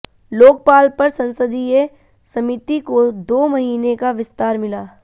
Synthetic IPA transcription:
loːk̚paːlpɐɾsɐ̃nsəd̪ie | sɐmɪt̪ikod̪oːmɐɦiːnekaʋɪst̪aːɾmɪlaː

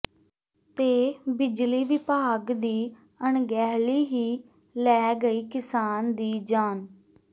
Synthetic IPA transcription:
t̪eːbɪd͡ʒliːʋɪpaːɡd̪iː | əɳɡɛːɦliːɦiː | lɛːɡəiːkɪsaːnd̪iːd͡ʒaːn

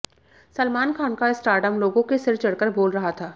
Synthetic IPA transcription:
sɐlmaːnkʰaːnkaɪsʈaːɾɖəmloːɡõkesɪɾt͡ʃɐɽkəɾboːlɾɐɦat̪ʰaː

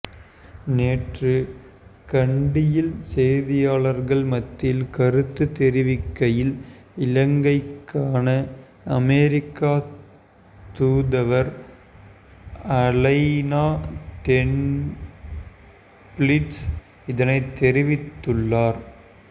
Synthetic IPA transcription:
neːʈrɯ | kɐɳɖɪjɪlsɛjðɪjaːɭɐɾɣɐɭmɐt̪ːɪlkɐɾɯt̪ːɯt̪ɛɾɪʋɪkːɐjɪl | ɪlɐŋɡɐɪkːaːnɐ | ɐmɛɾɪkːaː | t̪uːðɐʋɐɾ | ɐlɐɪnaːʈ̪ɛn | plɪʈs | ɪðɐnɐɪt̪ːɛɾɪʋɪt̪ːɯɭːaːɾ

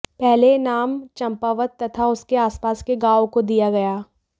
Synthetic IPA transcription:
pɛɦlenaːmt͡ʃɐ̃mpaːʋət̪ːɐt̪ʰaʊskeaːspaːskeɡaːõkod̪ijaɡɐjaː

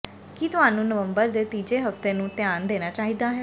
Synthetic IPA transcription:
kit̪ʊɦaːnũːnəʋəmbəɾd̪eːt̪iːd͡ʒeːɦəft̪eːnũːt̪ɪjaːnd̪eːnaːt͡ʃaːɦiːd̪aːɦɛː

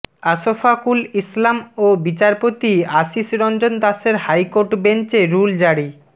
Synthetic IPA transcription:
aʃofakulislamobit͡ɕaɾpot̪iaʃisɾɔnd͡ʑond̪aʃeɾhajkoɾʈbent͡ɕeɾuld͡ʑaɽi

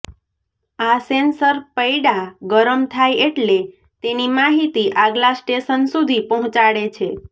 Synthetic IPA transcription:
asensəɾpəjɽaɡəɾəmt̪ʰajeʈle | t̪enimaɦit̪iʔaɡlasʈeʃənsud̪ʱipəɦɔ̃t͡ʃaɽet͡ʃʰe

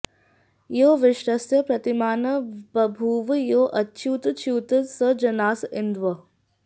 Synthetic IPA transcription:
joːʋɪʃɾɐsjɐpɾɐt̪imaːnɐpɐbʱuːʋjoːʔɐtːt͡ʃʰuːt̪t͡ʃʰuːt̪əsəd͡ʒɐnaːsɪnd̪ʋɐ

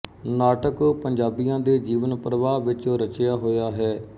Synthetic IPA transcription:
naːʈəkpəɲd͡ʒaːbijãːd̪eːd͡ʒiːʋənpɾəʋaːʋɪt͡ʃɾət͡ʃjaːɦoːjaːɦɛː

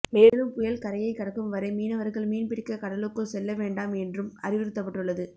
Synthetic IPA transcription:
meːlɯmpʊjɐlkɐɾɐjɐɪkːɐɽɐkːɯmʋɐɾɐɪmiːnɐʋɐɾɣɐɭmiːnpɪɽɪkːɐkɐɽɐlɯkːɯsɛlːɐʋeːɳɖaːmɛndrɯmɐ̰ɾɪʋɪɾɯt̪ːɐpːɐʈːɯɭːɐðɯ

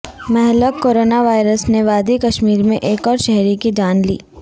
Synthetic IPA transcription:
mɛɦləoːɾoːnaʋaːɪɾəsneʋaːd̪ikɐʃmiːɾmẽʔeːkɔːɾʃɛɦɾikid͡ʒaːnlḭː

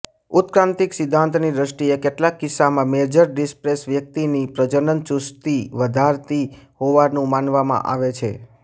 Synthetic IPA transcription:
ut̪kɾãnt̪iksɪd̪ʱːãnt̪nid̪ɾəʃʈiekeʈlakːisːamãmed͡ʒəɾɖispɾesʋjək̚t̪inipɾəd͡ʒənənt͡ʃust̪iʋəd̪ʱaɾt̪iɦoʋanũmanʋamã̰ʔa̰ʋet͡ʃʰe

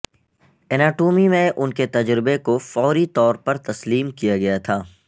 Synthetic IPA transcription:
ɛnaːʈoːmimẽʔʊnket̪ɐd͡ʒɾɪbekofɔːɾit̪ɔːɾpɐɾt̪ɐsliːmkijaɡɐjat̪ʰaː

